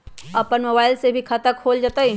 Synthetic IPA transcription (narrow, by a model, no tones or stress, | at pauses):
ɐpənmoːbaːɪlsebʱikʰat̪əkʰoːld͡ʒaːt̪ai